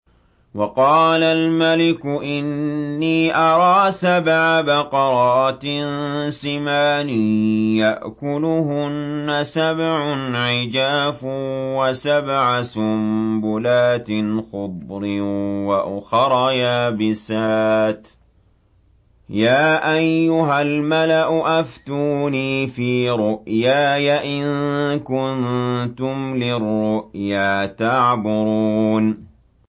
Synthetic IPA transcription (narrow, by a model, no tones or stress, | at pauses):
wɑqɑːlalmalɪkʊʔɪnːiːʔɑɾˤɑːsabʕabɑqɑɾˤɑːt̪ɪnsɪmaːnɪjaʔkʊlʊhʊnːasabʕʊnʕɪd͡ʒaːfwasabʕasʊmbʊlaːt̪ɪnxʊb̪ɾɪwaʔʊxɑɾˤɑjaːbɪsaːt̪ | jaːʔajːʊɦalmalaʔʊʔaft̪uːniːfiːɾʊʔjaːjaʔɪnkʊnt̪ʊmlɪrːʊʔjaːt̪aʕbʊɾuːn